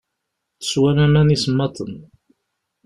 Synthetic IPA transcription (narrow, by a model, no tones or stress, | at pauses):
θə̥swænæmænisəmːɑt̪ˤən